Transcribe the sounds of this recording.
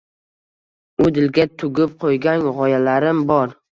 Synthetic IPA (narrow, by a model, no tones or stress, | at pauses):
ʊd̪ɪlɡʲat̪ʰʊɡʲɪp̚qʰojɡʲanʁɒjalaɾɪmbɒɾ